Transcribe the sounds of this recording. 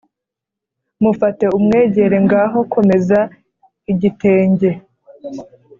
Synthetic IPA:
mufate̞umŋe̞ːɟe̞ɾe̞ŋɡaːɦo̞kʰo̞me̞za | iɟite̞ːɲɟe̞

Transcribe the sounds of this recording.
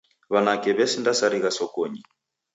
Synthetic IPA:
βanakɛβɛsindasaɾiɣasɔkɔɲi

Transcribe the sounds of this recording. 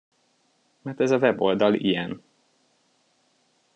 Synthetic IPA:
mɛrt̪ɛzɒvɛbo̞ld̪ɒlḭjɛn

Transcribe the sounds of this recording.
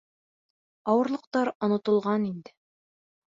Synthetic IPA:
ɒwɤ̆ɾlˠɤ̆q̚t̪ɑɾŏnŏt̪ɤ̆lˠʁɑnind̪ɘ

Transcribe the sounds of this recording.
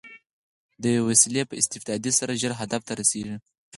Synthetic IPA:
d̪əjawasilepəɪst̪ɪfd̪ɑd̪isaɾaʒəɾɦad̪aft̪aɾaseʐi

